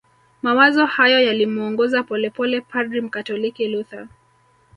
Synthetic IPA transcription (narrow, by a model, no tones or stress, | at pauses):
mawazɔhajɔjalimuɔŋɡɔzapɔlɛpɔlɛpʰadɾim̩katɔlikiluθa